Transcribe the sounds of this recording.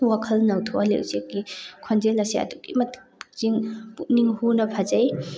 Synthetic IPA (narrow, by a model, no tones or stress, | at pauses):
wakʰɐlnɐwtʰɔʔalḛwzek̚ːikʰɔnzelɐsiɐ̰duɡḭmɐtz̥iŋpuʔ̚niŋhunɐpʰazɐj